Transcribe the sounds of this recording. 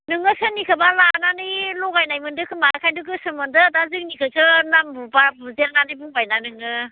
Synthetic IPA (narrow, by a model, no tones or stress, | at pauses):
nɯŋɯsɯnikʰɯbalananɯjlɔɡajnajmɯndɯkʰɯmakʰajdɯk̬ɯsɯmɯndɯdazɯknikʰɯsʰɯnambubabuzelnanɯjbuŋbajnanɯŋɯ